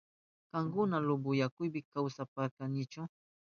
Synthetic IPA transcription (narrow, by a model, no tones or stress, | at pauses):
kaŋkʊnalʊbʊjakʊjbɪkawsapakanɪt͡ʃʊ